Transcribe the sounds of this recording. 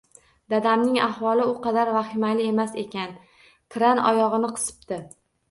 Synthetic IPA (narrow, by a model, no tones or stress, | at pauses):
d̪ad̪amnɪŋahvɒlˠɪʊqʰɑd̪aɾvaχɪmajlɪe̞mase̞kʲan | k̪ʰɾanɒ̰jɒʁɨnɪqʰɨ̥sɪ̥p̚t̪ɪ